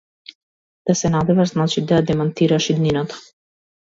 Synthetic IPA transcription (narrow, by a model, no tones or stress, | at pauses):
d̪̥asɛnad̪ɛvaʒznat͡ʃid̪ajad̪ɛmant̪iɾaʃid̪ninat̪ḁ